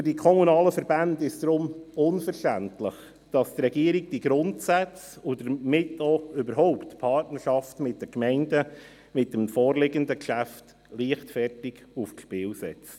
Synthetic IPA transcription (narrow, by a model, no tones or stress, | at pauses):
fyɾdikʰɔmunɑːləfəɾbændɪsd̥ɾʊmʊnfəɾʃtæntləχ | d̥ɑstɾɛɡiəɾɪɡ̚d̥iɡɾʊntsæt͡s | ʊdəɾmɪtːɔʏbəɾɦɔʊptpʰɑrtnəɾʃɑftmɪt̚d̥əkmɛɪndə | mɪt̚d̥əmfɔːrlɪɡəndəkʃæft | liəχtfɛrtɪɡufʃpɪːwsɛ̰t͡st